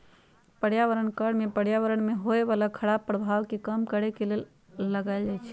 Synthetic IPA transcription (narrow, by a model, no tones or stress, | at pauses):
pəɽjaʋəɾəɳkəɽmẽpəɽjaʋəɾəɳmẽɦoeʋaːlakʰəɽaːbpːɾəbʱaːʋkikəmkəɽekelel | ləɡaːjld͡ʒaːjt͡ʃʰɛ̥